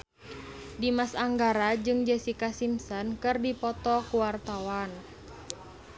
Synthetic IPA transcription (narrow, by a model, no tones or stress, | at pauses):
dimasaŋɡaɾad͡ʒɨŋd͡ʒɛsikasimsɔnkɨrdipɔt̪ɔkuwart̪awan